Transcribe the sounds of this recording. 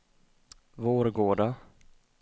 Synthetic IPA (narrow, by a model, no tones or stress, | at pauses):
voːɾɡoːɖa